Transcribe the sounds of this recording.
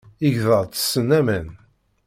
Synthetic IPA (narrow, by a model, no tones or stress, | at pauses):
iʝðəðˤt͡sə̥sːənːæmən